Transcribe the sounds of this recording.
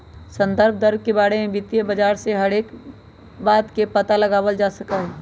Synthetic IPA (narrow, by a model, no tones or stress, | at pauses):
sə̃nd̪əɾb̚ʱd̪əɾb̚ʱkebaːɽemẽbɪt̪jəbɐd͡ʒaːɾseɦɐɾeːk | baːd̪kepɐt̪alɐɡaːwəld͡ʒaːsɐkaɦɛː